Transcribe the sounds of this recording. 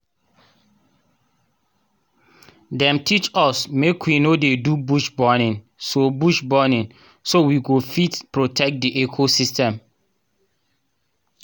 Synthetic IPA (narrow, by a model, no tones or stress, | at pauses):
dɛ̃mtʰit͡ʃɔsmekwinodedubuʃbɔnĩn | sobuʃbɔnĩn | sowiɡofitpɹotʰɛk̚diʔekʰosistɛ̃m